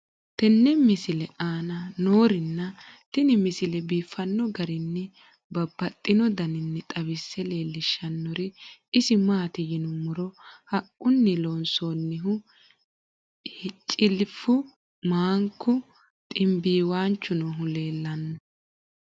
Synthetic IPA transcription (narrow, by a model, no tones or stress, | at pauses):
t̪ɛnːɛmɪsɪlɛʔaːnɐnoːɾɪnːɐt̪ɪnɪmɪsɪlɛbiːfːɐnːɔɡɐɾɪnːɛ | bɐbːɐt̪ʼːɪnɔd̪ɐnɪnːɛt̪ʼɐbɪsːɛle̞ːlːɪʃːɐnːɔɾɪɪsɪmaːt̪ɪjɪnʊmʊɾɔhɐkʼːʊnːɪloːnsoːnːɪɦʊ | ht͡ʃʼɪlɪfʊ | maːŋkːʊ | t̪ʼɪmbiːwaːnt͡ʃːʊnɔɦʊle̞ːlːɐnːɔ